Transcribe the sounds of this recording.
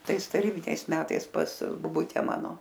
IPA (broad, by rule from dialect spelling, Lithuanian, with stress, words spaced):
ˈtɐɪs tɐˈrʲiːbʲɪnʲɛɪs ˈmʲæːtɐɪs pɐs boːˈbʊtʲɛ ˈmɑːnoː